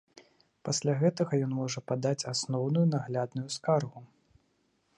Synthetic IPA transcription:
pasʲlʲaɣɛt̪ɐɣɐjɔnmɔʐɐpad̪at͡sʲasnɔwnujunaɣlʲad̪nujuskarɣu

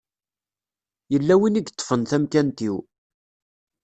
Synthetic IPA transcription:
jəlːæwiniɡt̪ˤːfənθæmkænt̪iw

